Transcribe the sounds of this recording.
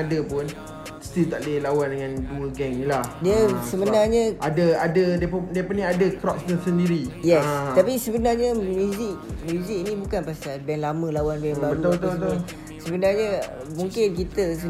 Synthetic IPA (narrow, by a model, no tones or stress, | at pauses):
adəpʊn | st̪ilt̪aʔləlawandəŋãnt̪uəɡɛŋilahdiəsəbənarɲə̃ʔadəadədiəpdiəpənĩadəkɾɔp̚sɲəsəndiɾijɛst̪apisəbənarɲəmjuzɪk̚mjuziknĩbukanpasalbɛnlamə̃lawanbɛnbabɾuɔbət̪ɔbət̪ | səbənarɲə | muŋkɪnk̬it̪əs